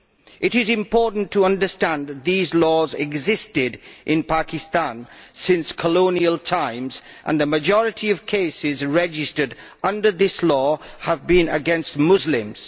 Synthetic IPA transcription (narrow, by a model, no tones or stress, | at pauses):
ʔɨɾɪzɪ̃mpʰɔɹʔn̩tʰəʌ̃ndəstæ̃nðət̪̚ðizlɔːzɛɡzɪstɪdʔɪ̃npʰakɪstãnsɪ̃nskʰəlõʊniəlˠtʰãɪ̃mz | ʔə̰̃nðəməd͡ʒɔɹɨtʰiəv̥kʰeɪsɪzɹɛd͡ʒɪstədʌ̃ndə˞ðɪslɔːəvbĩnə̰ɡɛ̃nstmʊzlɪ̃mz̥